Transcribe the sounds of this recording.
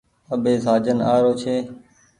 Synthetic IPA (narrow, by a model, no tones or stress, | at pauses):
əbeːzaːd͡ʒənaːɾoːt͡ʃʰeː